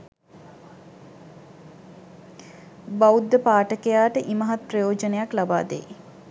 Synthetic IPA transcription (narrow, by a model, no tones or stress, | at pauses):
baud̪ːəpaːʈəkejaːʈəʔiməɦat̪̚prəjoːd͡ʒənejaklaba̰ːd̪ḛj